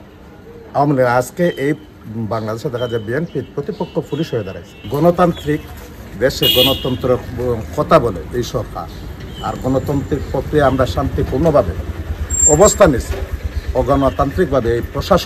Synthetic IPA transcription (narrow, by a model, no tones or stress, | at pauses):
awameliɡnaskeʔej | baŋlad̪eʃed̪ɛkʰad͡ʑebienpiɾpɾot̪ipokʰːopʰuluʃɦojed̪aɾa̰jsʰi̥ɡɔnot̪ant̪ɾik | d̪eʃeɡɔnot̪ɔnt̪ɾekʰɔt̪aboleejʃɔɾkʰa̰ɾa̰ɾɡɔnot̪ɔnt̪ɾik̚pɾokɾiamɾaʃant̪ipuɾnobʱabe | ɔbost̪ʰanisʰioɡɔnot̪ant̪ɾik̚bʱabeejpɾoʃaʃ